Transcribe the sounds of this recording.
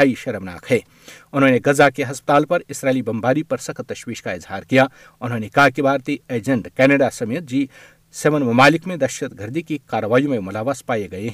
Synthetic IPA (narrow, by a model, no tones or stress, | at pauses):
aːiʃɐɾəmna̰ːkʰɦɛ̃ː | ʊnɦõːneɡɐzakeɦɐspət̪aːlpɐɾɪsɾaːɪlibɐ̃mbaːɾipɐɾsɐkʰt̪ɐʃwiːʃkaɪzhaːɾkijaː | ʊnɦõːnekaɦkibʱaːɾt̪ieːd͡ʒə̃ɳɖkɛːnəɖasɐmeːt̪̚d͡ʒiː | semənmɐmaːlɪkmẽd̪ɐʃət̪ɡʱɐɾd̪ikikaːɾəʋaːjõmẽmʊlaːʋaːspaːeɡɐeɦɛ